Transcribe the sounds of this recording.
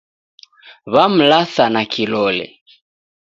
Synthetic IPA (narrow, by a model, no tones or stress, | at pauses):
βam̩laθanakʰilɔlɛ̰